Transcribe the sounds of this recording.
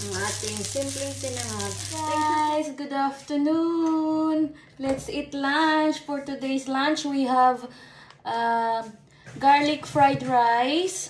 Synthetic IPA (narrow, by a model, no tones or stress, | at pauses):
at̪ĩŋsɪ̃mplisɪnɛmaaɪsɡʊdaftənu | n | lɛtsitlãnt͡ʃfɔɾʈudeːzlãnt͡ʃwiɦɛv | ɡaɾlikfɾaɪdɾaɪz̥